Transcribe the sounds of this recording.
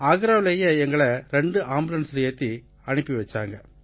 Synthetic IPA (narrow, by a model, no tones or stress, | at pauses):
aːɣɯɾaːʋɪleːjɐɛŋɡɐɭɐɾɛɳɖɯʔaːmbɯlɐnsɾɪjɐt̪ːi | ɐnɯpːiʋɐt͡ʃːa̰ːŋɡɐ